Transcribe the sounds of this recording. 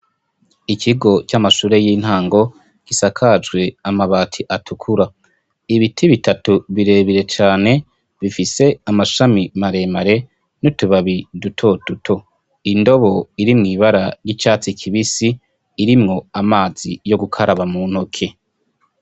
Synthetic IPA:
ikʰiɡo̞t͡ʃamaʃuːɾe̞jiːn̥haːŋɡo̞ | kisakʰad͡ʒɡwe̞amaβaːtʰiʔatʰukʰuɾa | iβitʰiβitatuβiɾe̞ːβiɾe̞t͡ʃaːne̞ | βifise̞amaʃamimaɾe̞maɾe̞ | nutuβaβidutʰo̞tutʰo̞ | indo̞βo̞iɾimŋiːβaɾaɾjit͡ʃaːt͡sikʰiβisiː | ɾimŋo̞amaːz̥ijo̞ɡukʰaɾaβamun̥hokʰe̞

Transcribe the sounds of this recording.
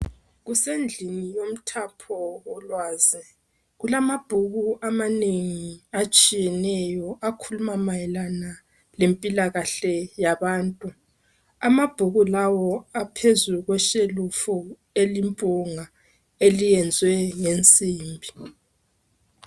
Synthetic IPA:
ɣusend͡ɮʱinijom̩tʰapʰɔɔlwaːzi | ɣulamab̥ʱuɣuʔamaneŋiat͡ʃʼijɛnɛjɔʔakʰulumamajɛlana | lempʼilaɣaɬɛjaβaːntʼu | amab̥ʱuɣulawɔapʰezuɣwɛʃelufu | elimpʼuŋa | elijɛnd͡zʱwɛŋent͡sʼiːmbʱi

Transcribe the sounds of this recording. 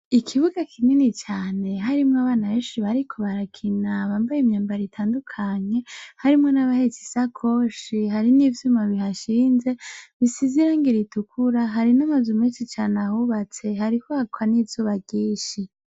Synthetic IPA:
ikʰiβuɡakʰininit͡ʃaːne̞ɦaɾimŋaβaːnaβeːnʃiβaɾikʰo̞βaɾakʰinaβaːmbajimɲaːmbaɾitʰaːndukʰaɲe̞haɾimŋonaβahet͡si̥sakʰoːʃiɦaɾinivjumaβiɦaʃiːnze̞βisiziɾaŋɡiɾitukʰuɾaɦaɾinamazumeːnʃit͡ʃaːnahuβat͡se̞ɦaɾihoakʰwanivz̥uːβaɡiːʃi

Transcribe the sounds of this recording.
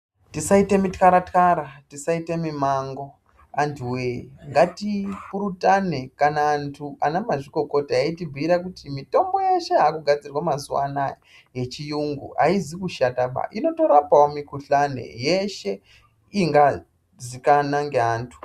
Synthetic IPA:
tisaite̞mitkaɾatkaɾatisaitemimaŋɡo̞ | antʰuweŋɡatipuɾutane̞kanaːntʰuanamaʐiko̞ko̞taaitibʱiɾakutimito̞mbo̞je̞ʃe̞ɦakuɡʱad͡zirwamazuwa̰na | je̞t͡ʃijuŋɡṵɦa̰izikuʃataɓa̰ʔino̞to̞ɾapawomikuɬanḛje̞ʃe̞ | iŋɡa | zikanaŋɡeaːntʰu̥

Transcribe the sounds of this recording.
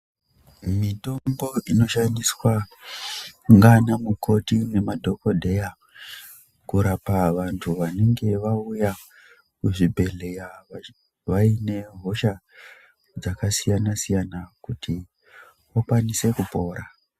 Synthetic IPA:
mito̞mɡoino̞ʃandiswa | ŋɡanamukʰo̞tine̞madʱo̞ko̞dʱe̞ja | kuɾapaʋantʰuʋane̞ŋɡe̞ʋauja | kuʐibʱe̞le̞jaa | ʋaine̞ɦo̞ʃa | d͡zakasijanasijanakutʰi | ʋokwanise̞kupo̞ːɾa

